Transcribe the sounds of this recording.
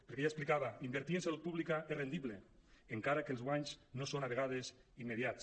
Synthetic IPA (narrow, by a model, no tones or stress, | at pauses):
peɾkeʎasplikaβaimbeɾt̪iensalut̪̚puβlikaerend̪iβleeŋkaɾakelˠzɣwaɲznosonaβeɣaðesimːeðjat͡s